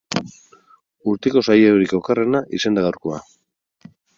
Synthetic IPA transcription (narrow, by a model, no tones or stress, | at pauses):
uɾt̪eko̞sajewɾiko̞kare̞naʔise̞nd̪aɣawɾko̞a